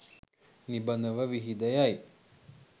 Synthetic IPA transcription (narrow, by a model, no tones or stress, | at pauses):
nibɐnd̪əʋɐʋiɦid̪ɐjaj